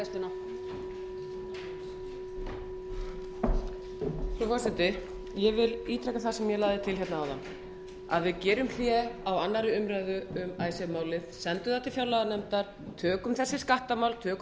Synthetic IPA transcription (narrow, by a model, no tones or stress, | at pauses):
ɛst̪ɪna | fɾɔfɔrsɪt̪ɪ | jɛvɪliːt̪ʰɾɛkaθasɛmjɛlaːðɪt̪ʰɪlɦçɛt̪naawðan | a̰ðvɪðcɛːɾʏmθjɛawanːaɾɪʏmɾaðʏʏmaːjsɛmaːwlɪðsɛnt̪ʏðat̪ʰɪlfjaːwlaɣanɛmt̪aɾ̥ | t̪ʰœːkʏmθɛsːɪskaht̪amawlt̪ʰœːk